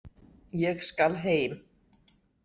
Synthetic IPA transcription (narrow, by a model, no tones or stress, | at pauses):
jɛɣskalɦeːjm